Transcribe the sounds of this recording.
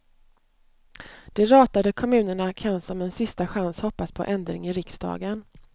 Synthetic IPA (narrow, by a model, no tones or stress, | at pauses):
d̪̥ɛɾɑːt̪ad̪əkʰɔmʉ̟ːnəɳakʰansɔmɛnsɪst̪aɧanshɔpːaspʰɔ̰ʔɛnd̪ɾɪ̰ŋɪɾɪksd̪ɑ̰ːɡən